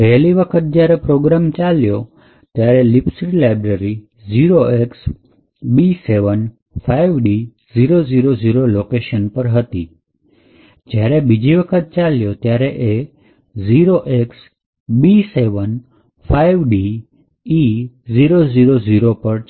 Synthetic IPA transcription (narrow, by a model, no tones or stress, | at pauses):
pɛɦliʋəkʰət̪̚d͡ʒjaɾepɾoɡɾamt͡ʃaljo | t̪jaɾelipsɾilajbɾəɾi | ziɾoeks | biseʋən | faijʋɖi | ziɾoziɾoziɾolokeʃənpəɾɦət̪i | d͡ʒjaɾebid͡ʒiʋəkʰət̪̚t͡ʃaljot̪jaɾeʔe | ziɾoʔeks | biseʋən | faiʋɖi | i | ziɾoziɾoziɾopəɾ